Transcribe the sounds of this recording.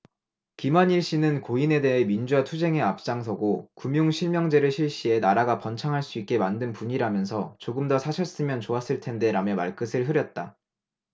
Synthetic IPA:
kimʌɲiɭɕ͈inɯnkoine̞de̞ɦe̞mind͡ʑuatʰud͡ʑe̞ŋe̞ap̚t͡ɕ͈aŋsʰʌɡokumjuŋɕʰiɭmjʌŋd͡ʑe̞ɾɯɭɕʰiɭɕ͈ie̞naɾaɡapʌnt͡ɕʰaŋɦaɭs͈uit̚k͈e̞mandɯnpuɲiɾamjʌnsʰʌt͡ɕoɡɯmdʌsʰaɕʰʌs͈ɯmjʌnt͡ɕoas͈ɯɭtʰe̞nde̞ɾamjʌmaɭk͈ɯsʰɯɭɦɯɾjʌt̚t͈a

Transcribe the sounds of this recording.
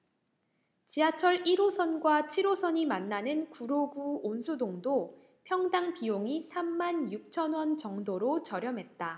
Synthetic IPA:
t͡ɕiat͡ɕʰʌɾiɾosʰʌnɡwat͡ɕʰiɾosʰʌɲimanːanɯnkuɾoɡuonsʰudoŋdo | pʰjʌŋdaŋpioŋisʰamːanjuk̚t͡ɕʰʌnwʌnt͡ɕʌŋdoɾot͡ɕʌɾjʌmɦe̞t̚t͈a

